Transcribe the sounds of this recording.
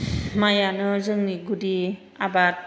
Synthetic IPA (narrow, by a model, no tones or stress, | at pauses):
majanɯzɯŋniɡudi | abat̚